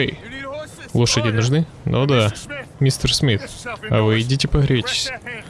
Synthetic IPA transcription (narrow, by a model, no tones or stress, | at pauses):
ej | lˠoʂədʲɪnʊʐnɨ | nʔo̰d̪amʲist̪ərsmʲit̪ | ɐ̰vɨjdʲitʲɪpɐɣɾʲet͡ɕʲɪ̥sʲ